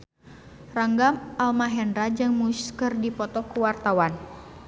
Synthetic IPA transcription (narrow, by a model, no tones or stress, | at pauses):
raŋɡamʔalmaɦɛndɾad͡ʒɨŋmuskərdipɔt̪ɔkuwart̪awan